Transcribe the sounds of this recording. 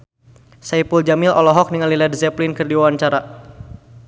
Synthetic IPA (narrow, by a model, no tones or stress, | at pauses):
saipuld͡ʒamɪlɔlɔɦɔk̚niŋalːiladisɛplinkɨrdiawaɲt͡ʃaɾa